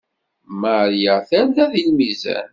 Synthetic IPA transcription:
maɾjaθænðæðilmizæ̰n

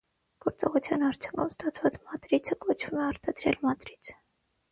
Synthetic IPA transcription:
ɡ̥ɔɾt͡sɔʁut͡sʰjɑnɑɾt͡sʰju̥ŋkʰumst̪ɑt͡sʰvɑt͡smɑt̪ɾit͡sʰəkɔt͡ʃʰvumɛɑɾt̪ɑd̪ɾɛ̰lmɑt̪ɾit͡sʰə̥

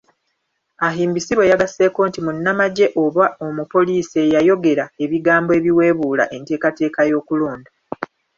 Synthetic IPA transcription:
aɦiːmbisiβwe̞jaɡase̞ːko̞ːntimunːamaɟe̞ʔo̞βao̞mupo̞liːsie̞jajo̞ɡe̞ɾae̞βiɡaːmboe̞ːβiwe̞ːβuːla̰ʔe̞nte̞ːkate̞ːkajo̞ːkuloːnda

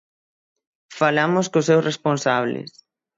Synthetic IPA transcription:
falamʊskoʊsewsresponsaβlɪ̰s

